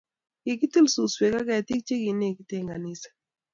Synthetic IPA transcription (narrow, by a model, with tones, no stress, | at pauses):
kɪ˨kɪ˦t̪i˦˨lsu˨swe˨ka˦kɛ˨t̪i˦k̚t͡ʃe˦ɡi˨ne˦˨ki˦t̪e˦˨ŋa˨nɪ˦sḁ˨